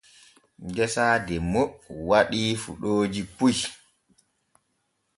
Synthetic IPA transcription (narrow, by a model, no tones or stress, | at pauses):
ɡɛsaːdɛmowaɗiːfṵɗoːd͡ʒipuj